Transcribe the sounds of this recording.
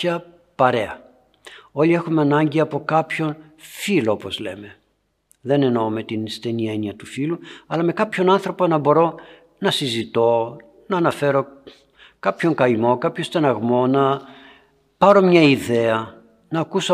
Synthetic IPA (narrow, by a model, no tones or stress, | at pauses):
ɐ | pɐɾe̞ɐ | o̞lie̞xumeɐnɐɲɟiɐpo̞kɐpço̞n | filoopo̞zleme̞ | ðe̞neno̞ome̞t̪inst̪e̞nie̞niɐt̪ufiluɐlɐme̞kɐpço̞nɐnθɾo̞ponɐbo̞ɾo̞ | nɐsizit̪o̞ | nɐːnɐfe̞ɾo̞ | kɐpço̞ŋkɐimo̞kɐpçost̪enɐɣmo̞nɐ | pɐɾo̞mɲɐiðe̞ɐ | nɐːkuso